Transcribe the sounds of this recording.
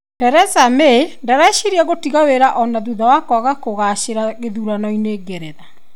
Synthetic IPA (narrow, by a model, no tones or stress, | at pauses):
tɛɾɛsamendaɾaɛʃeɾiaɣotiɣaweɾaʔɔnaðuðawakɔaɣakoɣaʃeɾaɣeðuɾanɔineɡeɾeða